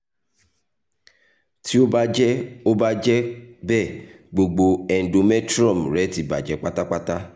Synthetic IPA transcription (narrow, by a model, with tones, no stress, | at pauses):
ti˦o˦ba˦d͡ʒɛ˦o˦ba˦d͡ʒɛ˦bɛ˦˨ | ɡ͡bo˧ɡ͡bo˧ɛ˨n̩˨do˧mɛ˦tɾɔ̃˦˨m˨ɾɛ˨˦ti˨˦ba̰˨d͡ʒɛ˨˦k͡pa˦ta˦k͡pa˦ta˦